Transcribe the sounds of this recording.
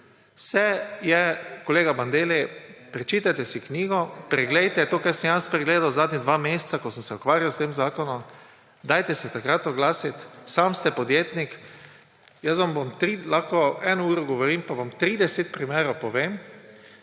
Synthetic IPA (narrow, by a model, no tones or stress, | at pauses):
sɛjɛkɔleːɡaband̪eːlɛpɾɛt͡ʃiːt̪ajt̪ɛsiknʲiːɡɔpɾɛɡlɛjt̪ɛt̪oːkɛsnjanspɾɛɡleːd̪awzaːd̪nʲid̪ʋaːmeːst̪sakɔsəmsɛɔkʋaːɾjawst̪eːmzaːkɔnɔm | d̪aːjt̪ɛsɛt̪akɾat̪ɔɡlaːsit̪samst̪ɛpɔd̪jeːt̪nik | jəs̬ʋamʋamt̪ɾilaxkɔɛnɔuːɾɔɡɔʋɔɾiːmpaʋamt̪ɾiːd̪ɛset̪̚pɾimeːɾowpɔʋeːm